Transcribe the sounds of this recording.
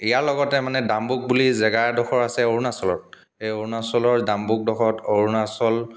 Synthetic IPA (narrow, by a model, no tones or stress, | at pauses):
ijaɹlɔɡɔtɛmanɛdambuk̚bulizɛɡaɹdɔxɔɹasɛoɹunasɔlɔ̰t̚ | ejoɹunasɔlɔɹdambuk̚dɔxɔtoɹunasɔl